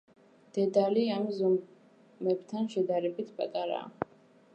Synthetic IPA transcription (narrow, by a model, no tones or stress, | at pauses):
d̪̥ɛd̪aliamzɔm | mɛbt̪ʰanʃɛd̪aɾɛbit̪ʰpʼat̪ʼaɾa̰ː